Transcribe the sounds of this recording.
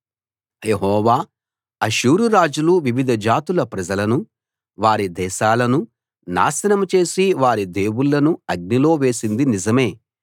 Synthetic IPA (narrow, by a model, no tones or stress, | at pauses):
jeɦɔːʋaː | ɐʃuːɾuɾaːd͡ʒuluʋiʋid̪ʱɐd͡ʒaːt̪ulɐpɾɐd͡ʒɐlɐnu | ʋaːɾid̪ɛːʃaːlɐnu | na̰ːsɐnɐmt͡ʃe̞ːsiʋaːɾid̪e̞ːwuɭːɐnuɐɡ̚nilo̞ːʋe̞ːsind̪inizɐme̞ː